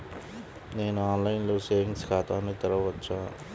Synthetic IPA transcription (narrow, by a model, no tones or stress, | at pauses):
neːnaːnlajnloːseːĩŋskʰaːt̪aːnɐt̪ɐɾɐʋɐtːt͡ʃʰaː